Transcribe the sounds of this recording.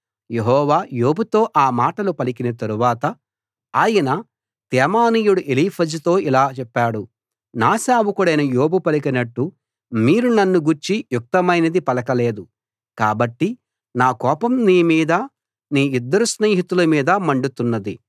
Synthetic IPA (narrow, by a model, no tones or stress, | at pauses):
je̞ɦɔːʋaːjo̞ːbut̪o̞ːʔaːmaːʈɐlupɐlikinɐt̪ɐɾuʋaːt̪ɐ | aːjɐnɐ | t̪ɛːmaːniːjuɽuʔeliːpʰɐd͡ʒit̪o̞ːilaːt͡ʃɛpːaːɽu | naːsaːwukuɽɐjnɐjoːbupɐlikɐnɐʈːu | miːɾunɐnːuɡuɾt͡ʃijuk̚t̪ɐmɐjnɐd̪ipɐlɐkɐle̞ːd̪u | kaːbɐʈːi | naːkɔːpɐmniːmiːd̪ɐ | niːid̪ːɐɾusneːɦit̪ulɐmiːd̪ɐmɐɳɖut̪unːɐd̪ḭ